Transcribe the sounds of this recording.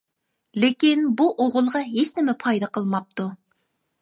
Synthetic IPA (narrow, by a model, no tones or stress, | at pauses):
lekʲinbuʔoʁʊlˠʁɑɦesnɪmɪpʰɑjd̪ɑqʰəlˠmɑp̚t̪u